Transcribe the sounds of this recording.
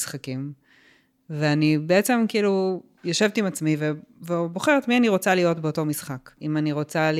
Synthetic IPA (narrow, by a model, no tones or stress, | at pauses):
sχakim | veanibeet͡se̞mkiilu | joʃevt̪imat͡smivevebo̞χeʁetmianiʁo̞t͡salijo̞tbeoto̞misχakimaniʁo̞t͡sal